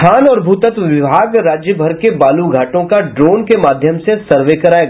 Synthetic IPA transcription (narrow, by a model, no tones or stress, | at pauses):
kʰaːnɔːɾbʱuːt̪ət̪ʋɪbʱaːɡɾaːd͡ʒjəbʱɐɾkebaːluɡʱaːʈõkaɖɾoːnkemaːd̪ʱjəmsesɐɾʋekɐɾaːeɡa